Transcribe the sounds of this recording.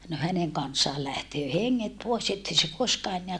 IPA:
no hæneŋ kɑnsːɑːl læhtøː heŋːet poˑes etːei se koskɑː enːeæ

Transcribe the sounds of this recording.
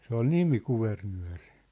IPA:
se ol nimi kuʋernyæ̝ri

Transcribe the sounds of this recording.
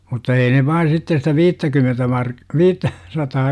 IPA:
mutːɑ ei ne ʋɑi sitːe sitæ ʋiːtːækymentæ mɑr ʋiːtːæ sɑtɑː

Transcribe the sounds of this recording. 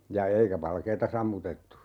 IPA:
jɑ eikæ ʋɑlkeːtɑ sɑmːutetːu

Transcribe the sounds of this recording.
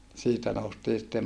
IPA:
siːtæ noustiː sĭtːe

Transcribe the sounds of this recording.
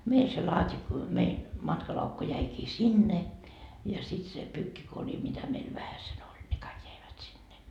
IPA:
mei se lɑːtʲi mein mɑtkɑlɑukːu jæikiː sinːe jɑ sit se pyːkːikori mitæ meil ʋæhæsen olʲ ne kɑik jæiʋæt sinːe

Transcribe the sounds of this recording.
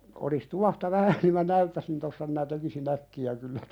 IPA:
olis tuɑhtɑ ʋæhæ ni mæ næytːæsin tosːɑ minæ tekisin ækːiæ kylːæ

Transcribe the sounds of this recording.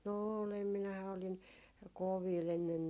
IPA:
no oːlem minæhæ oliŋ koʋiːl enːen

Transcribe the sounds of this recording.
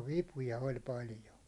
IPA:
ʋipujɑ olʲ pɑljo

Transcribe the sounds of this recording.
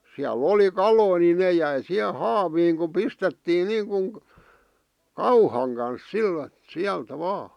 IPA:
siælˑ oli kɑloi ni neˑ jæi sih̆e hɑːʋiːŋ ku pistetːiːn niːŋkuŋ kɑuhɑŋ kɑns sil siæltæ ʋɑː

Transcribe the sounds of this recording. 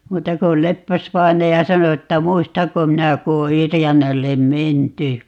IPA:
muːtɑ ko lepːæsʋɑinɑjɑ sɑno etːæ muistɑŋko minæ ku o yrjænælːem menty

